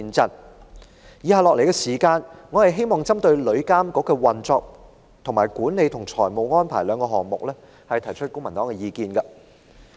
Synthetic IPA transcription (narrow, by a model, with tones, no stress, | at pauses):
i˧nt͡sɐ˥n | jiː˨˧haː˧lɔː˨k̚le˨˩jkɛ˧siː˨˩kaː˧nŋɔ˨˧hɐ˨jɦe˥jmɔː˨ŋt͡sɐ˥mt̪ɵ˧ɥlɵ˨˧˥ɥkaː˥mkɔː˨˥kɔː˧wɐ˨˩nt͡sɔː˨˧k̚ | t̪ʰʊ˨˩ŋmaː˨˩jkuː˨˥ne˨˧jt̪ʰʊ˨˩ŋt͡sʰɔː˨˩jmo˨˩wŋɔː˥npʰa̰ː˨˩jlœː˨˧ŋkɔː˧ɦɔː˨˩ŋmʊ˨k̚lɛː˥ | hɐ˨jt̪ʰɐ˨˩jt͡ʃʰɵ˥t̚kʊ˥ŋmɐ˨˩nt̪ɔː˨˥ŋɛ˧jiː˧kiː˨˧nɡɐ˧